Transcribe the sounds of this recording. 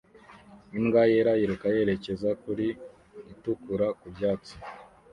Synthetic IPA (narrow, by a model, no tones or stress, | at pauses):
imɡajeɾajiɾukaje̞ːɾe̞ce̞zakuɾiː | tukuɾakubjaːt͡si̥